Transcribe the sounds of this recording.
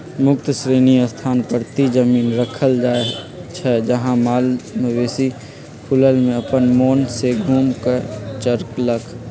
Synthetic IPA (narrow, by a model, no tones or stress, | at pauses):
mʊk̚t̪sɾeːniəst̪ʰaːnpəɾt̪id͡ʒəmiːnɾəkʰəld͡ʒaːe | t͡ʃʰɛd͡ʒəɦãmaːlməbeːsi | pʰʊləlmẽəpənmoːnseɡʱuːmkət͡ʃəɾkləkʰ